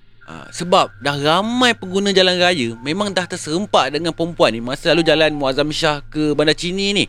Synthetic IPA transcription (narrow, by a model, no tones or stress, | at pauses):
ʔə̰səbap̚dahramãjpəŋɡunãd͡ʒalanrajəmẽmãŋdaht̪ərsəɾəmpaʔdəŋãnpəɾəmpuanːimasəlalud͡ʒalanmuazamiʃahkəbandat͡ʃinini